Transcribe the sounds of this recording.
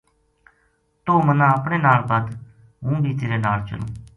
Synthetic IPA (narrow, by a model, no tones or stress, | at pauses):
t̪oːmənãːəpɳeːnaːlbəd̪ | ɦũːbʱiːt̪eːɾeːnaːlt͡ʃə̰lõ̰ː